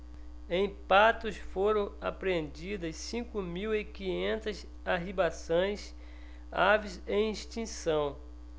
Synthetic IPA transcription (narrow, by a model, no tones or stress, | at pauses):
ẽj̃pat̪ʊsfoɾɐ̃w̃apɾẽnd͡ʒid̪ɐssĩkʊmiwɪkĩɲẽnt̪ɐs | aɦibasõj̃s | avizẽĩʃt͡ʃĩsɐ̃w̃